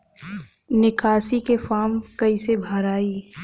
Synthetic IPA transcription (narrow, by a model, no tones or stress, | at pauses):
nɪkʰaːsikefaːmkɐisebʱaːɾaːiː